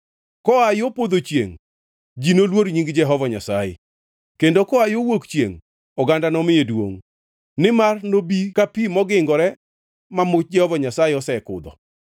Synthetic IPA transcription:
kɔajopod̪ot͡ʃjḛŋ | d͡ʒinolwoɾɲiŋɡd͡ʒɛɦɔvɔɲasajɪ̰ | kendokɔajowokt͡ʃjḛŋ | ɔɡandanɔmɪjedwo̰ŋ | nɪmarnobikapimɔɡɪŋɡɔɾɛ | mamʊt͡ʃ̚d͡ʒɛhɔvɔɲasajɪɔsɛkʊ̰d̪ɔ̰

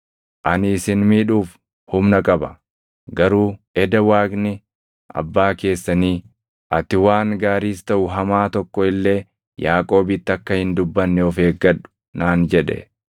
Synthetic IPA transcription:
ʔɐnɪːsɪnmiːᶑuːf | hʊmnɐkʼɐbɐ | ɡɐɾuːʔɛd̪ɐwaːɡnɪ | ʔɐ̰bːaːke̞ːsːɐniː | ʔɐt̪ːɪwaːŋɡaːɾiːst̪ɐʔʊɦɐmaːt̪ɔkːɔɪlːe̞ː | jaːkʼo̞ːbɪt̪ːɪɐkːɐhɪnd̪ʊbːɐnːɛɔfeːɡːɐᶑʊ̥ | naːnd͡ʒɛᶑɛ̰

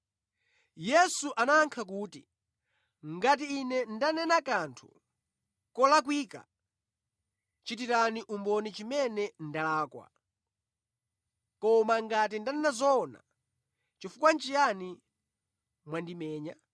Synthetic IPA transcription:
jɛsuʔanaːŋkʰak̬uːtḭ | ŋɡat̬iːnɛndanɛnakantʰṵ | kɔlak̬wiːka̰ | t͡ʃit̬iɾaniʔumbɔnit͡ʃimɛnɛndalaːkwa̰ | kɔmaŋɡat̬indanɛnazɔna̰ | t͡ʃifukwan̩t͡ʃijani | mwandimɛːɲa

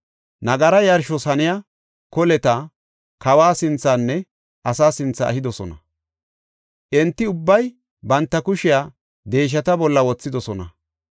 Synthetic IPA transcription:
nɐɡɐɾɐjɐɾʃɔsɐnɪja | kɔlɛt̪ɐ | kɐwaːsɪnt͡sːanːɛ | ʔɐsaːsɪnt͡sːɐɐ̰hɪd̪ɔsɔ̰nɐ | ʔɛnt̪ːɪʊbːɐj | bɐnt̪ːɐkʊʃɪjaː | d̪e̞ːʃ̬ɐt̪ɐbɔlːɐwɔt͡sːɪd̪ɔsɔnɐ̰

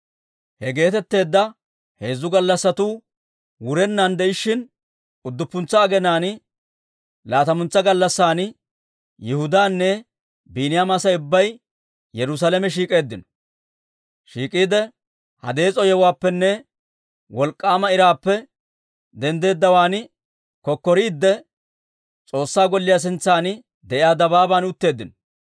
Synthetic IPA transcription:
hɛɡe̞ːt̪ɛt̪ːe̞ːd̪ːɐ | he̞ːzːʊɡɐlːɐsːɐt̪uː | wʊɾɛnːɐnd̪ɛɪʃːɪn | ʊd̪ːʊpːʊnt͡sːɐːɡɛnaːn | laːt̪ɐmʊnt͡sːɐɡɐlːɐsːaːn | jɛhʊd̪aːnːɛ | biːnɪjamasɐʊbːɐj | jɛɾʊs̬alɛmɛʃ̬iːkʼe̞ːd̪ːɪnɔ̥ | ʃiːkʼiːd̪ɛ | hɐ̰d̪e̞ːt͡sʼɔjɛwaːpːɛnːɛ | wɔlkʼːaːmɐɪɾaːpːɛ | d̪ɛnd̪e̞ːd̪ːɐwaːn | kɔkːɔɾiːd̪ːɛ | t͡sʼo̞ːsːaːɡɔlːɪjaːs̬ɪnt͡sːaːn | d̪ɛʔɪjaːd̪ɐbaːbaːnʊt̪ːe̞ːd̪ːɪnɔ

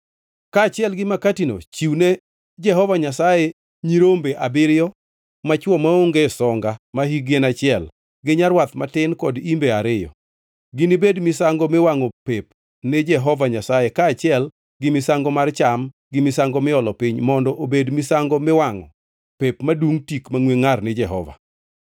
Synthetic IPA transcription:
kaːt͡ʃɪɛlɡɪmakatino̰t͡ʃiwne | d͡ʒɛɦɔvaɲasaje | ɲiɾombeʔabɪɾjɔ | mat͡ʃwɔmaoŋɡesɔŋɡamaɦiɡenat͡ʃɪɛl | ɡɪɲarwat̪matɪnkɔdimbeaɾɪjɔ̰ | ɡɪnibedmɪsaŋɡɔmɪwaŋɔpep | ned͡ʒɛɦɔvaɲasajekaːt͡ʃɪɛl | ɡɪmɪsaŋɡɔmart͡ʃam | ɡɪmɪsaŋɡɔmɪɔlɔpɪɲmɔndɔʔobedmɪsaŋɡɔmɪwaŋɔ | pepmaduŋtikmaŋweŋarnɪd͡ʒɛɦɔ̰va̰

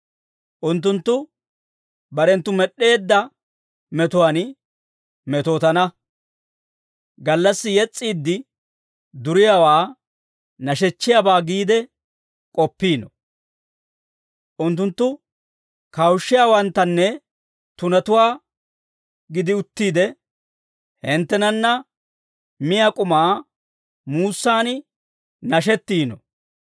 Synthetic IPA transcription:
ʔʊnt̪ːʊnt̪ːʊ | bɐɾɛnt̪ːʊmɛɗe̞ːd̪ːɐ | mɛt̪ʊwaːn | mɛt̪oːt̪ɐnɐ | ɡɐlːɐsːɪjɛt͡sʼːiːd̪ːɪ | d̪ʊɾɪjaːwaː | nɐʃɛt͡ʃːɪjabaːɡiːd̪ɛ | kʼɔpːiːnɔ | ʔʊnt̪̬ːʊnt̪ːʊ | kɐwʃːɪjaːwɐnt̪ːɐnːɛ | t̪ʊnɐt̪ʊwaː | ɡɪd̪ɪʊt̪ːiːd̪ɛ | hɛnt̪ːɛnɐnːɐ | mɪjakʼʊmaː | muːsːaːnɪ | nɐʃ̬ɛt̪ːiːnɔ̰

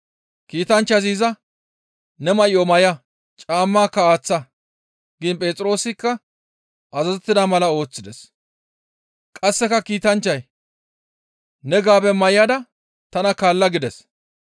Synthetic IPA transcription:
kiːt̪ɐnt͡ʃːɐziːzɐ | nɛmɐʔɪɔmɐjɐ | t͡ʃʼaːmːaːkːɐaːt͡sːɐ | ɡɪnpʼe̞ːt͡sʼɪɾo̞ːsɪkːɐ | ɐzɐzɛt̪ːɪd̪amɐlɐo̞ːt͡sːɪd̪ɛs | kʼɐsːɛkɐkiːt̪ɐnt͡ʃːɐj | nɛɡaːbɛmɐjɪjɐd̪ɐ | t̪ɐnɐkaːlːɐɡɪd̪ɛs

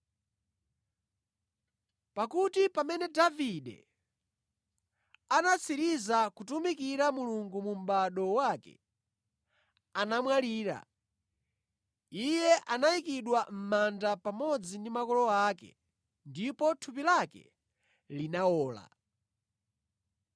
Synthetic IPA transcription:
pakutipamɛnɛdaviɗɛ̰ | anat͡siɾizakutumikiɾamuluŋɡumum̩ɓaɗɔwakɛ̰ | anamwaliːɾa̰ | ijɛʔanaikiɗwam̩mandapamɔd͡zindimakɔlɔakɛ̰ | ndipɔtʰupilakɛ̰ | linaɔːla̰

